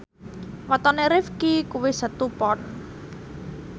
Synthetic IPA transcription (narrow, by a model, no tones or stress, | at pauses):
wat̪ɔneɾɪfkikuwɪsat̪upɔn